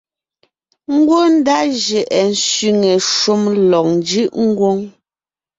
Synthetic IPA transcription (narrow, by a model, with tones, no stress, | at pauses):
ŋ̩˦ɡwo˦n̩˦da˦ʒɛ˨ʔɛ˨n̩˨˦sɥi˨ŋe˨ʃu˦mlɔ˨ŋn˨d͡ʒi˦ʔŋ̩˦ɡwo˦ŋ